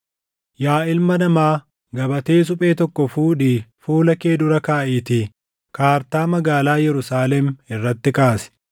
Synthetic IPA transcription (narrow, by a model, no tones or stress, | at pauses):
jaːɪlmɐnɐmaː | ɡɐbɐt̪e̞ːs̬ʊpʼe̞ːt̪ɔkːɔfuːᶑiːfuːlɐkeːd̪ʊɾɐkaːʔiːt̪iː | kaːɾt̪aːmɐɡaːlaːjɛɾʊsaːlɛmɪrːɐt̪ːɪkaːsɛ̥